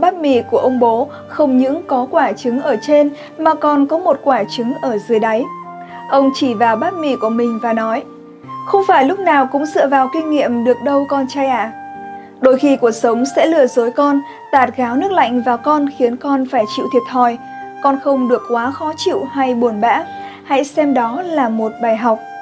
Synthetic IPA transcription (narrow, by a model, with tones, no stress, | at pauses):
ɓaː˦˥t̚mḭ˧˩ku˧˩əʔə˧wŋ͡mɓo˨˦ | xə˧wŋ͡mɲɨ̰˧˥ŋkɔ˨˦kwaː˧˩t͡ɕɨ˨˦ŋʔəː˧˩t͡ɕe˧n | maː˨˩kɔ˨˩nkɔ˨˦mo˨˩t̚kwaː˧˩t͡ɕɨ˨˦ŋʔəː˧˩zɨ˨˩əjɗa˨˦j | ʔə˧wŋ͡mt͡ɕi˧˩vaː˨˩wɓaː˦˥t̚mḭ˧˩ku˧˩əmï˨˩ŋ̟vaː˨˩nɔ˨˦j | xə˧wŋ͡mfaː˧˩jlʊ˦˥k͡p̚naː˨˩wkʊ̰˧˥ŋ͡mzɨ̰˧˨vaː˨˩wkï˧ŋ̟ŋḭ˧˨əmɗɨ˨˩ək̚ɗə˧wkɔ˧nt͡ɕaː˧jʔaː˧˨ | ɗo˧jxi˧ku˨˩ək̚sə˨˦wŋ͡msɛ̰˧˥lɨ̰˧˩əzo˨˦jkɔ˧n | t̪aː˨˩t̚ɣaː˨˦wnɨ˦˥ək̚la̰˧˨jŋ̟vaː˨˩wkɔ˧nxi˨˦ənkɔ˧nfaː˧˩jt͡ɕḭ˧˨wt̪ʰi˨˩ət̚t̪ʰɔ˧˩j | kɔ˧nxə˧wŋ͡mɗɨ˨˩əkːwaː˨˦xɔ˨˦t͡ɕḭ˧˨wha˧jɓu˨˩ənɓa̰ː˧˥ | ha̰˧˥jsɛ˧mɗɔ˨˦laː˨˩mo˨˩t̚ɓaː˨˩jɦa˨˩wk͡p̚